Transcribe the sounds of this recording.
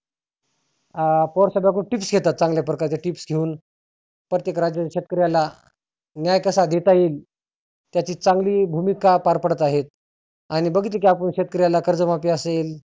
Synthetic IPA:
pɔɾsabjaɡuːʈipsɡʱet̪at̪̚t͡sãŋɡljapɾəkaɾit̪aʈipsɡʱeuːn | pɾət̪jekɾad͡ʑjət̪ːɕet̪̚kəɾjala | njajkəsad̪et̪aiːl | t̪jat͡ɕiːt͡saŋɡliːbʱumikapaɾpəɽət̪aɦet̪̚ | aɽ̃ibəɡʱit̪ek̬iap̬əɳɕet̪̚kəɾjalakəɾd͡zəmapiːəsel

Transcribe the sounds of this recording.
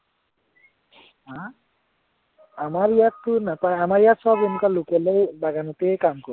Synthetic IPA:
ɦã | amaɾijat̪ːunapaeamaɾijat̪sɔbenukalukelejbaɡanut̪ekamkɔ

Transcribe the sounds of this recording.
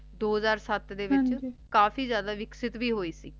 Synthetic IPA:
d̪oːɦzaːɾsət̪d̪eːʋɪt͡ʃt͡ʃkaːfʰiːzjaːd̪aːʋɪksɪt̪ʋiːɦoːiːsiː

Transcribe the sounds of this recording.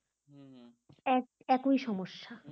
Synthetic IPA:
ɛk | ɛkojʃɔmoʃːa

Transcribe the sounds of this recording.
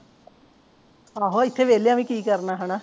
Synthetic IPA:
aɦoit̪ʰːeʋeliɐmikiːkəɾɳaɦaɳa

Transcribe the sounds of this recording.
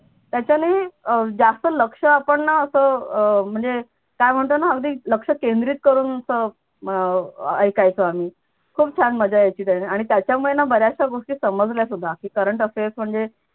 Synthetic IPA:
t̪jat͡ɕjaned͡zast̪ələkʂəapəɳːaəsəːm̤əɳd͡ze | kajm̤əɳt̪ənaəɡd̪iːləkʂəkend̪ɾiːt̪̚kəɾuːnəsəː | əjkajt͡səam̤iː | kʰuːp̚t͡ɕʰãnməd͡ʑajet͡ɕiːt̪janeaɽ̃it̪jat͡ɕjamuɭenabəɾjaɕaɡoʂʈiːsəməd͡zʱljasud̪ʱːakiːkəɾəɳʈəfesm̤əɳd͡ze

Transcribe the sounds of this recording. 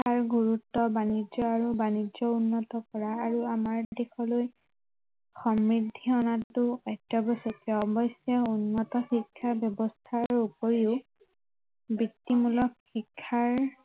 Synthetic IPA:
aɹɡuɹutːɔbanid͡ʒɔaɹubanid͡ʒɔunːɔtɔkɔɹaːɹuamaɹdexɔloj | xɔmɹidʱːiɔnatːʊɔjtːɔbɔsɔkɛɔbɔsjɔunːɔtɔxikʰːabjɔbɔst̪ʰaɹupoɹiʊ | bitːimulɔkxikʰːaɹ

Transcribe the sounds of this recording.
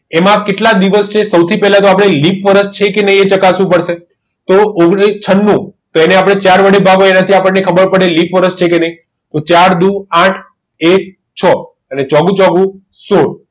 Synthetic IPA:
emãkeʈlad̪iʋəst͡ʃʰesəwt̪ʰipɛɦlãt̪oapɽ̃elipʋəɾəʃt͡ʃʰekenəĩet͡ʃəkasʋũpəɽʃe | t̪ooɡɽit͡ʃʰənːũt̪oeneapɽ̃et͡ʃaɾʋəɽebʱaɡoenat̪ʰiapəɳːekʰəbəɾpəɽelipʋəɾəʃt͡ʃʰekenəi | t̪ot͡ʃaɾd̪uãʈʰ | ek̚ | t͡ʃʰɔ | ənet͡ʃɔɡũt͡ʃɔɡũsoɽ

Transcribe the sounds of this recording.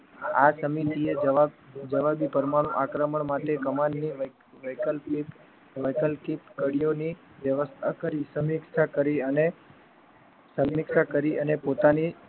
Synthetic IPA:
asəmit̪ie | d͡ʒəʋabipəɾmaɽ̃ũʔakɾəməɳmaʈekəmanːi | ʋəlpi | ʋəjkəlkipkəɽijoni | ʋjəʋəst̪ʰakəɾisəmɪkʃakəɾiəne | səmːɪkʃakəɾiʔənepot̪ani

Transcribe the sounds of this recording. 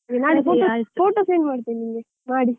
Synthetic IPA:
iŋɡɛnaːɽifoːofoːʈoːseːnmaːɽɯt̪ːeːniːŋɡɛ | naːɽi

